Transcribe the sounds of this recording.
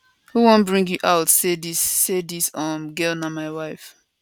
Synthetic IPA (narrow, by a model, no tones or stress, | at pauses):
huwõnbɹĩŋɡjuʔaʊtsedisːedisʌmɡɛlnamaɪwaɪf